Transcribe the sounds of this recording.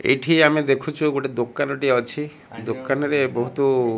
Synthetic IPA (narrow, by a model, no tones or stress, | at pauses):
ḛjʈʰiamid̪ekʰut͡ʃʰuɡoʈed̪okːanoʈiɔt͡ʃʰi | d̪okːanoɾebɔɦut̪o